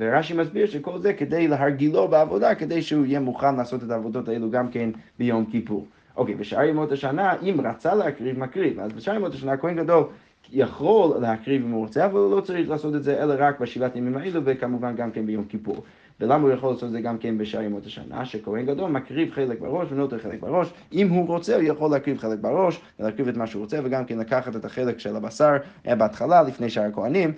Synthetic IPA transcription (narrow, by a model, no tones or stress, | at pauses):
veʁaʃimasbiʁʃekolˠzekədejleɦaʁɡilobeavodakedejʃeuijɛmuχanlaːsotetaːvodotaeluɡamkenbejomkipṵʁ | ʔokebəʃaajmothaʃanaʔimʁat͡salehakʁivmakʁiva̰zbeʃajemotaʃanakohenɡadol | jaχolːehakʁivimuʁat͡seavalˠulot͡saʁiχlaːsot̬ɛtzeʔɛlaʁakbaʃivatajomimaeluvekamuvanɡamkɛnbejomkipṵʁ | velamaujaχolːaːsot̪̬̚zeɡamkenbeʃajmotaʃa̰na̰ʃekohenɡadolˠmakʁivχelek̚ba̰ʁoʃvenotɛʁχelek̚baʁoʃimhuʁot͡sɛujaχolːehakʁivχelek̚baʁoʃvelhakʁivɛtmaʃeuʁot͡sɛveɡamkenlakaχatetaχelekʃelabasaʁbeatχalalifnejʃaʁakoanim